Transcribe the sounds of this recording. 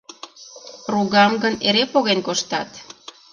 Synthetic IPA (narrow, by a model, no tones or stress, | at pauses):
ruɣɑmɡəneɾepoɣenkoʃt̪ɑt̪